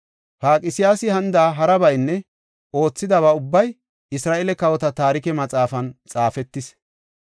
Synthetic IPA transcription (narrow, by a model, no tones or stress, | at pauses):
paːkʼɪsɪjaːsɪhɐnd̪aːɦɐɾɐbɐjnːɛ | ʔo̞ːt͡sːɪd̪ɐβɐʊbːɐj | ɪsɾaːʔelɛkɐwɔt̪ɐt̪aːɾɪkɛmɐt͡sʼaːfɐnt͡sʼaːfɛt̪ːɪs